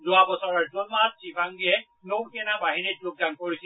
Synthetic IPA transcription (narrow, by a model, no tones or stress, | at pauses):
zʊabɔsɔɹaɹzɔnmat̚sibʰʱaŋɡiɛ | nowkɛnabaɦiniuk̚dankoɹisi